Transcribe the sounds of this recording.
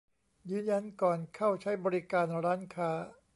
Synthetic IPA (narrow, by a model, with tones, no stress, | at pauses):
jɯː˨˧nja˧nkɔː˨˩nkʰa˥˩wt͡ɕʰa˦˥jbɔː˧ɾi˦˥kaː˧nɾaː˦˥nkʰaː˦˥